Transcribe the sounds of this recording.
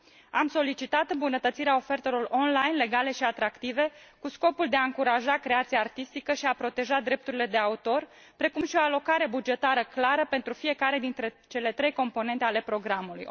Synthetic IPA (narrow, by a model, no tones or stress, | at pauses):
amso̞lit͡ʃit̪at̪ɨmbunət̪ət̪siɾeao̞fe̞rt̪e̞lo̞ro̞nlajnle̞ɡale̞ʃiat̪ɾakt̪ive̞kusko̞puld̪e̞aɨŋkuɾaʒakɾe̞at̪siaːrt̪ist̪ikəʃiapɾo̞t̪e̞ʒad̪ɾe̞p̚t̪uɾile̞d̪e̞aut̪o̞r | pɾe̞kumʃio̞alo̞kaɾe̞bud͡ʒe̞t̪aɾəklaɾəpe̞nt̪ɾufie̞kaɾe̞d̪int̪ɾe | t͡ʃe̞le̞t̪ɾe̞jko̞mpo̞ne̞nt̪eale̞pɾo̞ɡɾamuluj